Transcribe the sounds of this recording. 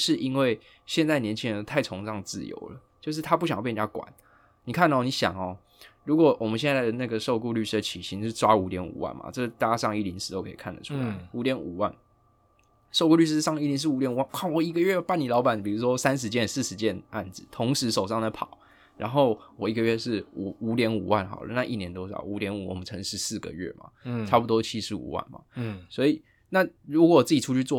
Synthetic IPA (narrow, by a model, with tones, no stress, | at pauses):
ʂɻ̩˥˧˨i˥nwe˥˩ɪ | ɕjɛ˥˧nt͡sa˥˩ɪnjɛ˧˦nt͡ɕʰi˦˥˧ə˧o˥˩t̪ʰa˥˩ɪt͡sʰo˧˥ŋʈ͡ʂɑ˥˧ŋ˩t͡sɹ̩̰˥˩jo̰˧˦ʊlə̰˦t͡ɕjo˥˧ʊʂɻ̩˥˩t̪ʰa˥p̬u˥˩ɕɑ˨˥˧p̪ja˥kwa̰˨˦n | ni˨˩kʰa˥˩nd̪ə˨˩ɔ˨˩ni˨˥˦ɕjɑ̰˨˩ŋɔ˨˦ | ɻu˧˥kwɔ˨˦wʔɔ˨˩mə˦nɕjɛ˥˧nt͡sa˥˩d̪ə˩na˥˩ɡə˩ʂo˥˧ʊku˥˧ly˥˩ʂ̩˥d̪ə˨t͡ɕʰi˨˩ɕi˧˥n˥˧ʈ͡ʂwa˦˥u˧˥t̪jɛ˧˦nṵ˨˩wa̰˨˩nma̰˨˩ʈ͡ʂə˥˧˩t̪a˥˩t͡ɕja˥ʂɑ˥˧ŋi˥˩li˧˥nʂ̩˥t̪o˥ʊkʰe˧˥ḭ˨kʰa˥˩nd̪ə̰˩ʈ͡ʂʰu˦la̰˨˦ɪu˧˥t̪jɛ˧˦nṵ˨˩wa̰˥˩n | ʂo˥˧ʊkwɔ˥˧ly˥˧ʂ̬ɻ̩˥˧ʂɑ˥˧ŋi˥˩li˧˥nʂ̬̩˥˩˨u˧˥t̪jɛ˧˦nu˨˩wa˥˩nkʰa˥˩wɔ˨˩i˧˥ɡə˧ɥɛ˥˧˥pa˥˩ni˨˩lɑ˧˥ʊpa˨˩˦npi˨˩ɻu˧˥ʂwɔ˦˥sa˥˦nʂ̬ɻ̩˧˥t͡ɕjɛ˥˧ns̩˥˩ʂɻ̩˧˦t͡ɕjɛ˥˧na̰˥˩nd͡zɹ̩˨˩˦t̪ʰo˧˥ŋʂɻ̩˧˥ʂo˨˩ʊʂɑ˥˩ŋd̪ə˨˦pʰɑ˨˩˦ʊ | ɻa˧˥nxo˥˩ʊwɔ˨˩i˧˥ɡə˨ɥɛ˥˧ʂɻ̩˥˩u˨˩u˧˥t̪jɛ˧˥nu˨˩wa˥˩nxɑ̰˨˩ʊlə̰˦na˥˧ʔi˥˩njɛ˧˦nt̪wo˥ʊʂɑ̰˨˩˦u˧˥t̪jɛ˧˥nu˨˩˦wɔ̰˨˩mə˦nʰɤ˧˥ŋʂɻ̩˥˧sɹ̩˥˩ɡə̰˨˩ɥɛ̰˥˩ma̰˩ʈ͡ʂʰa˥pu˨˩t̪wɔ˥t͡ɕʰi˥ʂɻ̩˧˥ṵ˨˩wa̰˥˩nma̰˩swɔ˧˥i˨˩ | na˥˨ɻu˧˥k̬wɔ˨˩wɔ˨t͡s̩˥˩i˨˩ʈ͡ʂʰu˥t͡ɕʰy˥˧t͡swɔ˥˨